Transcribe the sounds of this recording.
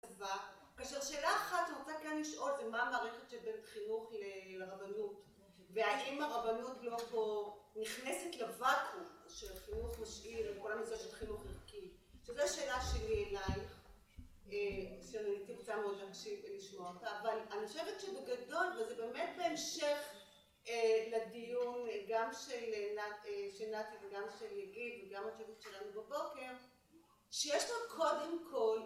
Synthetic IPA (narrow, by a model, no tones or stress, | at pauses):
va | kaːʃeʁʃe̞ːlaːχatimotakanliʃʔo̞ltvemaːmaːʁeχetʃebentχinuχlelʁavanut | veajimaʁavanutloponiχnesetlavakuʃelχinuχmaʃʔiʁelkolamisaʃelχinuχiʁki | ʃezeaʃeːlaʃelielajχ | eʃenanitibot͡satmeod̪lakʃimveliʃmootaːvalaniχoʃevet̪ʃebeɡado̞lvezebe̞met̚beemʃeχ | eladijunɡamʃelenaeʃelnativeɡamʃeljaɡidveɡamlat͡ʃuvutʃelanubabo̞ke̞ʁ | ʃejeʃlokʰo̞demkʰo̞l